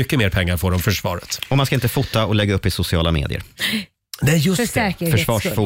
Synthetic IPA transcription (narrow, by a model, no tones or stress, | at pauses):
ʏkːəmeːɾpʰɛŋːaɾfoːɖɔmfœʂvɑ̰ːɾət̪ɔmanskaɪnt̪əfʊt̪ːaɔlɛɡːaɵpːɪsʊsɪɑːlamḛːd̪ɪ̰ə̰ɾ | nɛjɵsfɛəfœʂvɑːʂfʊː